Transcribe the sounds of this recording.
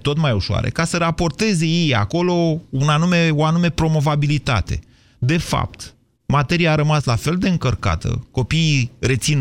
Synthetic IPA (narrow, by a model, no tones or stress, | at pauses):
t̪o̞t̪majuʃoa̰ɾe̞̰kasəɾapo̞rt̪e̞ze̞jeja̰ko̞lo̞unanume̞oanume̞pɾo̞mo̞vabilit̪a̰t̪e̞̰ | d̪e̞fa̰p̚t̪ | mat̪e̞ɾiaːɾəmaslafe̞ld̪e̞ɨŋkərka̰t̪ə̰ko̞piːre̞t̪sin